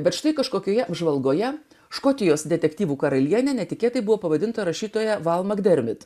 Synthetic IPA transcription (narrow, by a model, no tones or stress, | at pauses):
bʲɛt̪ʃt̪ɐɪkɐʃkoːkʲoːjɛɐbʒʋɐlˠɡoːjɛ | ʃkoːt̪ʲɪjoːsd̪ʲɛt̪ʲɛkt̪ʲiːʋuːkɐɾɐlʲiɛnʲɛnʲɛt̪ʲɪkʲeːt̪ɐɪbʊʋoːpɐʋɐd̪ʲɪnt̪ɐɾɐʃʲiːt̪oːjɛʋɑlˠmɐɡd̪ʲɛɾʲmʲɪt̪